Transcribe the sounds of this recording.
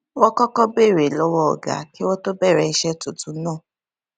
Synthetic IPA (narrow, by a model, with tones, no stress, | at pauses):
wɔ˦kɔ˦kɔ˦be˦˨ɾe˨lɔ˦wɔ˦ɔ̰˨ɡa̰˨˦ki˦wɔ˦to˦bɛ˦˨ɾɛ˧i˧˦ʃɛ˦tu˨tũ˨˦nãː˦˨